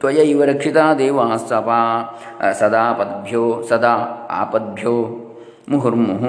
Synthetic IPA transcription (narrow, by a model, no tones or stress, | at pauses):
t̪ʋɐjɐiʋɐɾɐkʂit̪aːd̪eːʋaːst̪ɐpaː | sɐd̪aːpɐd̪bʱjoːsɐd̪aa̰ːpɐd̪̚bʱjoː | muɦuɾmːuɦu